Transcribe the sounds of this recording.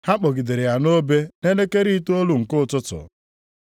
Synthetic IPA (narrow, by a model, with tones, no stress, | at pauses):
ha˦k͡pɔ˨ɡi˨de˨ɾɪ˨ja˨no˦be˦ne˦ne˦ke˦ɾi˦tu˦o˦lu˦ŋ̩˨kʊ˦˨tʊ˦tʊ̰˨